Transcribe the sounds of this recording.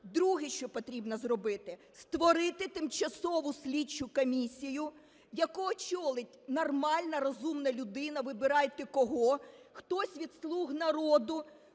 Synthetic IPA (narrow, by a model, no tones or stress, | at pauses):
d̪ɾuɦɪʃt͡ʃɔpɔt̪ɾʲibnɐzrɔbɪt̪ɪ | st̪ʋɔɾɪt̪ɪt̪ɪmt͡ʃɐsɔʋʊsʲlʲit͡ʃʊkɔmʲisʲijʊ | jɐkuɔt͡ʃɔlˠɪtʲnɔrmɑlʲnɐɾɔzumnɐlʲʊd̪ɪnɐʋɪbɪɾɑjt̪ɪkɔɦɔxt̪ɔsʲʋʲid̪slˠuɦnɐɾɔd̪ʊ